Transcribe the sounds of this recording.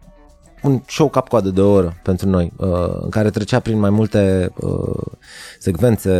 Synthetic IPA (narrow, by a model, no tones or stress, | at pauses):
unʃowkap̚koad̪əd̪eoɾəpe̞nt̪ɾuno̞jəɨ̰ŋkaɾe̞t̪ɾet͡ʃeapɾinmajmult̪e̞ə̰ | se̞ɡve̞nt̪se̞